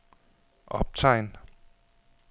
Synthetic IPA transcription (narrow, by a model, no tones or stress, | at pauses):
ʔɒb̥̚t͡sʰɑ̈ɪn